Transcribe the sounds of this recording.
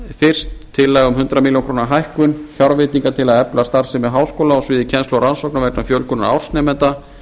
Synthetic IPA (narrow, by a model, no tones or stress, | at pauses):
fɪr̥st̪ʰːɪlːajɣʏmhʏnt̪ɾamiljonŋkʰɾoːnaɦajhkʏnçjawɾvɪt̪niŋkat̪ʰɪlaðɛplast̪aɾ̥sɪmɛðɦaːwskoːlaɔsvɪːðɪcʰɛnst̪lɔɾansowk̚navɛknafjœlkʏnːa̰a̰wr̥snɛːmɛnt̪a